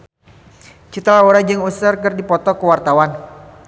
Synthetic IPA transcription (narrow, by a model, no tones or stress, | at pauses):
t͡ʃit̪alauɾad͡ʒɨŋusərkɨrdipɔt̪ɔkəwart̪awan